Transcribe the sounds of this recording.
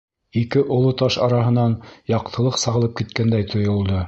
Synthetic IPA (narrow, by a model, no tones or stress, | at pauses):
ikɘʔŏlˠot̪ɑʃɑɾɑɦɤ̆nɑnjɑq̚t̪ʰɤ̆lˠɤqsɑʁɤ̆lˠɤp̚kit̪kænd̪æjt̪ʰŏjŏlˠd̪ɤ